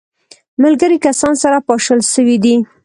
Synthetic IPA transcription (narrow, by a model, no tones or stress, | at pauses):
malɡəɾikasɑnsaɾapɑʃəlʃəwid̪i